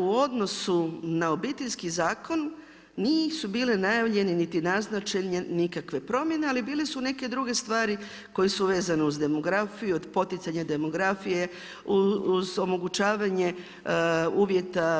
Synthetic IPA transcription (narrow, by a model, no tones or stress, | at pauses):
uo̞d̪no̞sunao̞bit̪eʎʲskizaːko̞nː | iːsubiːlenajaʋʎe̞nenit̪inaznat͡ʃeɲenikakʋe̞pɾo̞mje̞nealibiːlesune̞ke̞d̪ɾuɡe̞st̪ʋaːɾi | ko̞jesuʋe̞ːzaneuzd̪e̞mo̞ɡɾafijuod̪po̞t̪it̪saɲad̪e̞mo̞ɡɾafije̞ | uzo̞mo̞ɡut͡ɕaːʋaɲe̞ | uːʋje̞t̪a